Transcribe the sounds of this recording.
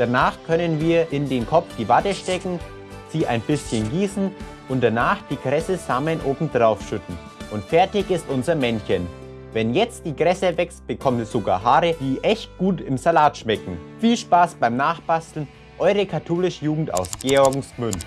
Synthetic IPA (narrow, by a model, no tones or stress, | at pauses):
d̥anaːχkʰœnənviːɐʔɪndeːnkʰɔp͡fd̥iːvatəʃtɛkŋ̩ | z̥iːʔa̰ɪnbɪsçənɡiːsn̩ | ʔʊnt̚d̥anaːχd̥iːɡʁɛsəzaːmənʔoːbm̩dʁaʊfʃʏtn̩ | ʔʊntfɛɐtɪçɪstʔʊnzɐmɛnçən | vɛnjɛt͡st̚d̥iːɡʁɛsəvɛkst̚b̥əkʰɔmtiz̥oɡa̰ːɐɦaːʁəd̥iːʔɛçt̚ɡ̥uːtɪmzalaːtʃmɛkŋ̩fiːlʃpaːsb̥aɪmnaːχb̥astl̩n | ʔɔʏʁəkʰatʰoːlɪʃəjuːɡŋ̩ta̰ʊsɡ̥eɔɐɡŋ̩smʏn